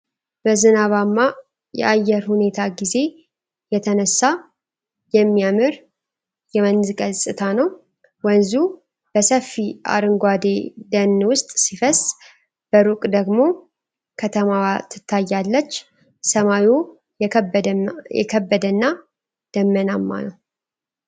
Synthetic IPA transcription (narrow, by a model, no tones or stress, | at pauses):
b̥əzɨnaβamːa | jɛ̰ʔajːɛɾhune̞t̪ʰaɡize̞ | jɛt̪ʰənəsːa | jɛmːijamɨɾ | jɛmənzkʼəsʼɨt̪ʰanəw | wənzu | b̥əsəfːiʔa̰ɾɨŋɡʷad̪e̞d̪ənːwʊst̪ʼsifəs | b̥əɾukʼd̪əɡmo̞ | kʰət̪ʰəmawat̪ʰːɨ̥t̪ʰːajːalːət͡ʃː | səmaju | jɛ̰kʰəbːəd̪ənːa | d̪̥əmːənamːa̰nəw